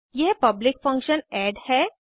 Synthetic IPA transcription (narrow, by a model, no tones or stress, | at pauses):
jɛɦpɐblɪkfɐ̃ŋkʃənɛːɖhɛː